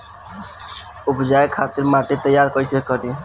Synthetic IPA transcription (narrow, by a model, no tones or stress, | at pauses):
upd͡ʒaekʰat̪iɾmaʈet̪əjːaɾkəjsekəɾi